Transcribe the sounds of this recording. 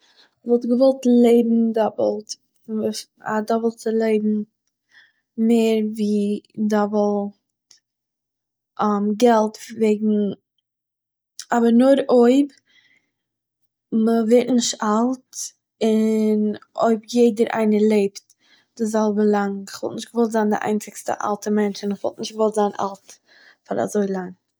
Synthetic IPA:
vɔlˠtɡəvɔlˠtlˠeɪbm̩dɔblˠt | a̰dɔbəl̩ˠt͡səlˠeɪbm̩ | meɪɾviːdɔvəlˠ | t | amɡɛlˠtveɪɡŋ̩ | abəɾnʊɾoɪb | məveɪtnɪʃtalˠt | ɪno̰ɪbjeɪdəɾʔa̰ɪnəlˠeɪpt | d̥ɪzɛlˠbəlˠaŋχvɔ̰lˠtnɪʃtɡəvɔlˠtzaːndɪ̰ʔa̰ɪnt͡sɪkstə̰ʔa̰lˠtəmɛnt͡ʃɪnɪχvɔlˠtnɪʃtɡvɔlˠtzaːna̰lˠt | faɾa̰zoɪlˠaŋ

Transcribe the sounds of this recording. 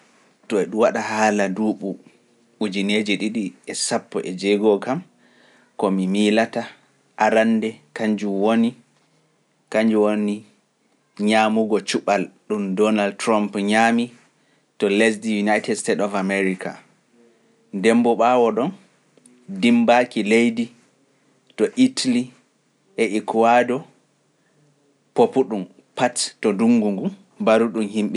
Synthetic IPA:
tɔɛɗuwaɗaɦaːladuːɓu | ɓud͡ʒined͡ʒɛɗiɗiɛsapːɔʔɛd͡ʒɛɡɔkam | kɔmimilata | ʔaɾandɛkaɲd͡ʒuwoni | kaɲd͡ʒuwoni | ɲaːmuɡɔt͡ʃuɓalɗumdɔnaldtɾɔmpɲaːmi | tɔlesdijunajtɛdstetɔfamɛɾikʰa̰ | dɛmbɔɓawɔɗɔn | dimbakilejdi | tɔʔitʰali | ɛʔikwadɔ | popuɗum | pattɔduŋɡuŋɡum | baɾuɗumhimɓɛ

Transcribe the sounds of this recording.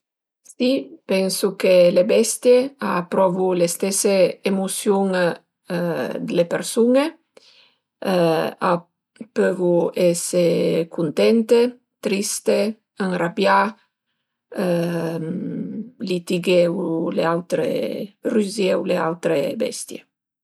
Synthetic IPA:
sipɛnsukelebɛst̪jeapɾɔvulest̪ɛseːmusjuŋ | d̪elepeɾsune | a | pøvuɛsekunt̪ɛnt̪e | t̪ɾist̪e | aŋrabja | lit̪iɡewleawt̪ɾḛryzɛwleawt̪ɾebɛ̰st̪jḛ

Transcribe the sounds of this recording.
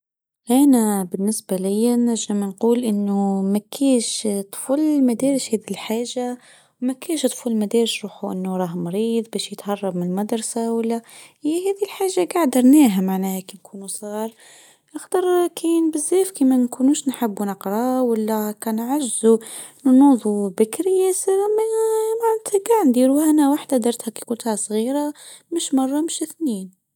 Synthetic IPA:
ʔænæbɪnːɪsbalɪjːanæʒːəmnquːlʔɪnːumækʰiːʃt̪ˤfulmæd̪æːɾɪʃhɛːd̪ilħaːʒa | wmækiːʃt̪ˤfulmæd̪æːɾɪʃɾˤuːħuʔɪnːuɾˤɑːɦmɾiːðˤbæːʃjət̪hɑrˤːɑbmɪnlmad̪ɾˤɑsawalːæhjɦæːðilħaːʒaɡaʕd̪ɑɾˤnæːɦamaʕnæːhækinkʰuːnusˤiːɾˤ | ʔɑxd̪ɑɾˤkʰiːnbɪzːeːfkimænkunuʃnħɪbːunɪqɾˤɑwalːækɑnʕaʒzunnuːðˤubɪkɾijæsəɾmæmaʕnæt̪ʰhæɡaʕnd̪iːɾuhænæwaħd̪ad̪ɑɾˤt̪hækijkunt̪hasˤɣiːɾa | mɪʃmɑrˤːɑmɪʃɪθniːn

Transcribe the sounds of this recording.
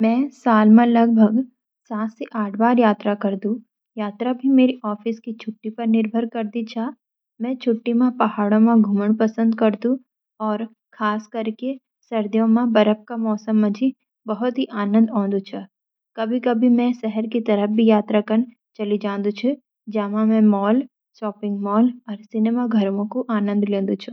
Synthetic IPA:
mɛ̃ːsaːlmẽlɐɡ̚bʱəɡ | saːt̪seʔaːʈʰbaːɾjaːt̪ɾakɐɾd̪ũ | jaːt̪ɾabʱimeːɾiʔɔːfɪskit͡ʃʰʊʈːipɐɾnɪɾbʱəɾkɐɾd̪it͡ʃʰaː | mɛ̃t͡ʃʰʊʈːimẽpɐɦaːɽõmẽɡʱuːməɽpɐsə̃nd̪kɐɾd̪ũ | ɔːɾ | kʰaːskɐɾke | sɐɾd̪jõmãbɐɾəp̚kamɔːsəmːɐ̃d͡ʒʱi | bɐɦʊt̪ɦiʔaːnə̃nd̪ɔ̃ːnd̪ut͡ʃʰa | kɐbʱikɐbʱimɛ̃sɛɦɛɾkit̪ɐɾəfbʱijaːt̪ɾakən | t͡ʃɐlid͡ʒãːnd̪ut͡ʃʰu | d͡ʒɐːmãmɛ̃mɔːl | ʃɔːpɪ̃ŋɡmɔːlɔːɾsɪneːmaɡʱɐɾmõkoʔaːnə̃nd̪lẽːnd̪ut͡ʃʰʊ

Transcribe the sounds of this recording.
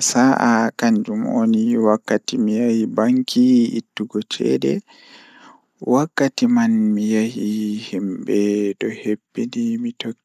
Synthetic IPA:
saʔakaɲd͡ʒumʔoniwakːatimijahibaŋkʰiḭtːuɡɔt͡ʃɛ̰dɛ̰ | wakːatimanmijahihimbɛdɔhepːinimitokː

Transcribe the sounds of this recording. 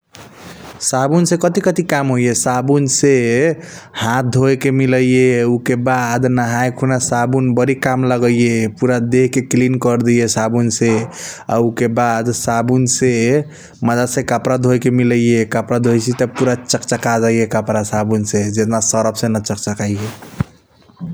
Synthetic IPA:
sabunsẽkət̪ikət̪ikamɦojesabunse | hãt̪̚ʰd̪ʱojkemiləjjeukebad̪nəɦajkʰunasabunbəɾikamləɡəjjepuɾad̪eɦkeklinkəɾd̪ijesabunsea̰ukebad̪sabunse | məd̪asẽkəpɾad̪ʱojkemiləjjekəpɾad̪ʱojsit̪əpuɾat͡ʃəkt͡ʃəkad͡ʒaijekəpɾasabunsed͡ʒet̪nasəɾəpʰsẽnət͡ʃək̚t͡ʃəkaije

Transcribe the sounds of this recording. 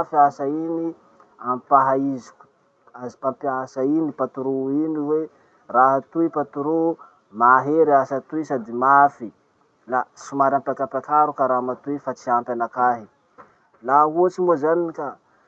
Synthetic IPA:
fiasaini | ampaɦaizi̥ku̥ | azipampiasainipat̪uɾuiniwe | raɦat̪uipat̪uɾu | maɦeɾiasat̪uisad̪imafi | lasumaɾampakampakaɾukaɾamat̪uifat͡siampʲanakaɦi | lauat͡ʃimozaniika

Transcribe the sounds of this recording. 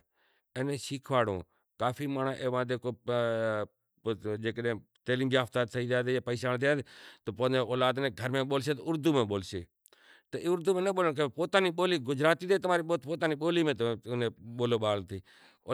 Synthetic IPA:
eːnẽːsiːkʰʋaːɽõ̰ː | kaːfʰiːmaːɳaːʔeːʋãːd̪eːkoː | d͡ʒeːkəɗẽː | t̪eːliːmd͡ʒijaːft̪aːt̪səiːt̪aːd̪eːjaːpəiːʃaːnt̪eaːd̪eːt̪oːpəːnd̪oːoːlaːd̪nẽːɡʱəɾmẽːɓoːlseːt̪oʊɾd̪uːmẽːɓoːlsḛː | t̪əʔʊɾd̪uːmẽːnəɓoːləɳk̬əpoːt̪aːniːɓoːliːɡʊd͡ʒɾaːt̪iːd̪eːt̪əmaːɾiːɓoːt̪poːt̪aːniːɓoːliːmẽːt̪ẽːnẽːɓoːloːɓaːlt̪ʰiː | o

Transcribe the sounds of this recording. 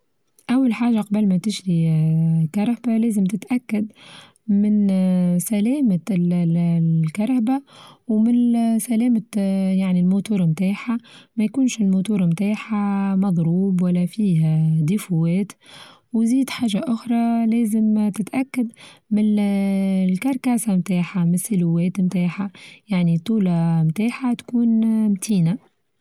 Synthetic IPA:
ʔawːalħaːʒaqɑbəlmæt̪ɪʒɾi | kɑɾˤhbalɛːzəmt̪ɪt̪ʔakːad̪ | mɪnsælɛːmal | kɑɾˤhbawmɪnsælɛːmajaʕnilmut̪uːɾˤmt̪aːħamæjkuːnʃɪlmut̪uːɾˤmt̪aːħamɑðˤɾuːbwalːæfiːɦæd̪ifuwɛːt̪ | wziːd̪ħaːʒaʔʊxɾˤɑlɛːzɪmt̪ɪt̪ʔakːad̪mɪn | lkɑɾˤkaːsamt̪aːħamɪnsɪluwɛːt̪mt̪aːħajaʕnit̪ˤːuːlamt̪aːħat̪kuːnmt̪ʰiːna

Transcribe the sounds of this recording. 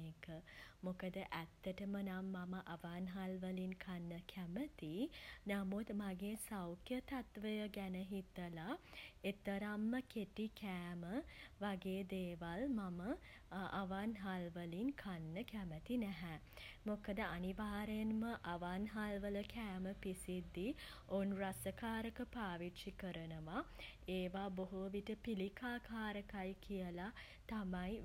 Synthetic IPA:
eːkəmokəd̪əʔæt̪ːəʈəmənamːaməʔaʋanɦalʋəlinkʰanːəkʰæmət̪inamut̪maɡeːsawkʰjət̪at̪ʋəjəɡænəɦit̪əlaet̪əɾamːəkeʈikæːməʋaɡeːd̪eːʋalmamə | a̰ʋanɦalʋəlinkʰanːəkæmət̪inæɦɛ | mokəd̪əʔaniʋaːɾenməʔaʋanɦalʋələkæːməpisid̪ːionrasəkaːɾəkəpaːʋiʈʂikəɾənəʋaeːʋaboɦoʋiʈəpilikaːkʰaːɾəkajkijəla | t̪amaj

